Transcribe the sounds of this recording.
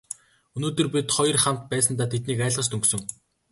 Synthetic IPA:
ɵnoːt̪ɵ̆rpʲit̪χɔj̆rχam̥t̪̚pæːsə̆nt̪aːt̪ʰet̪niːkæːɮʁə̆t͡ɕt̪ʰɵŋksɵ̆ŋ

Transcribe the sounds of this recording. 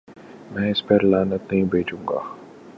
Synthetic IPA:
mɛ̃ːɪspɛɾlaːnət̪̚nəɦĩbʱeːd͡ʒuŋɡa̰ː

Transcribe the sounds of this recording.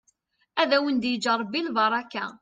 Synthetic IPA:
æðæwənd̪jəd͡ʒɑɾˤːbːilbɑɾˤɑka̰

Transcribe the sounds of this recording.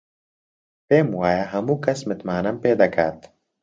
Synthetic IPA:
peːmwaːjaɦɐmukɐsmɪt̪maːnɐmpeːd̪akʰa̰ːt̪

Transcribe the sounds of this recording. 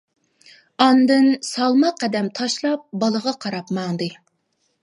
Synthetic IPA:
ɑnd̪ɨnsɑlˠmɑqʰːɛd̪ɛmt̪ʰɑʃlˠɑp̚bɑlˠəʁɑqʰɑɾɑpmɑŋd̪ɨ

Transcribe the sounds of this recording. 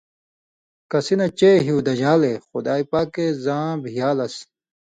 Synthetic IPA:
kɐsinɐt͡ɕeɦiwd̪ɐd͡ʑaːlexud̪aːipaːkezãːbʱijaːlɐs

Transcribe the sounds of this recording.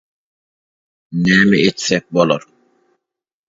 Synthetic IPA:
nɛːmeetsɛk̚bɔlɔɾ

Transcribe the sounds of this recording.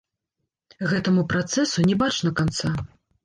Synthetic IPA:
ɣɛt̪ɐmupɾat̪sɛsunʲɛbat͡ʂnɐkant̪sa

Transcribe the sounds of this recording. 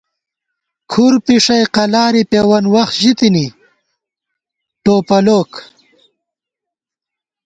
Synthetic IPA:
kʰuɾpiʂɐjqɐlaːɾipeːwɐnwɐxt̪ʑit̪ini | ʈoːpɐloːk

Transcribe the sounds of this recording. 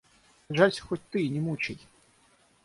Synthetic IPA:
ʐasʲxɔt̚ʲt̪ɨnʲɪmut͡ɕɪj

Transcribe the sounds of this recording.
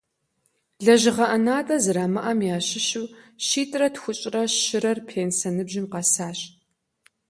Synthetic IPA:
ɮɐʑɪʁɐʔɐnaːtʼɐzɨɾaːmɐʔɐmjaːɕɪʃɪwʃiːtʼrɐtxʷʊɕʼrɐɪɾɐrpʰeːnsɐnɨbʒɪmqɐsaːɕ

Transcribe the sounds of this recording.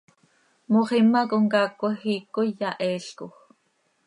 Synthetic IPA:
moχimːɑkoŋkɑːkʷːoxiːkːojaʔɛːɬkox

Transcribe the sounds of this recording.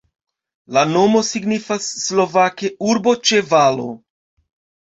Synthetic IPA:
lano̞mo̞siɡnifasːlo̞vake̞uɾbo̞t͡ʃe̞valo̞̰

